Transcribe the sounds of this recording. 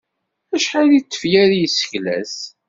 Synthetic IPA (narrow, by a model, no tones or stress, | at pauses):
æʃħalit̪ːə̥fjæɾijsːə̥çlæ̰s